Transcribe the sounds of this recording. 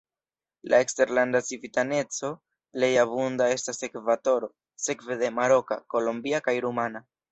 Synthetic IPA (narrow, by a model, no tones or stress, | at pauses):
lʔa̰e̞kste̞ɾlandat͡sivitane̞t͡so̞ | le̞jaβundae̞stase̞kvato̞ɾo̞ | se̞kve̞d̪e̞maɾo̞ka̰ko̞lombiakajɾumana